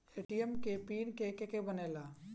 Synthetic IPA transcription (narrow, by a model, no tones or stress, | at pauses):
eːʈiemkepiːnkekekebəneːlaː